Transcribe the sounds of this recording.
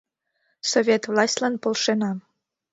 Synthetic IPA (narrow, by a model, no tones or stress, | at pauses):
sovʲet̪vlˠɑsʲtʲlɑnpolˠʃenɑm